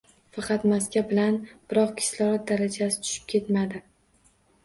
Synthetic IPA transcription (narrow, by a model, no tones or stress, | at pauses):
fɑqʰɑt̪maskʲabɪlanb̥ɪɾɒqkʲʰɪ̥slɒɾat̪̚d̪aɾad͡ʒasɪ̥t̪ʰʊ̥ʃɪ̥p̚kʲʰe̞t̪mad̪ɪ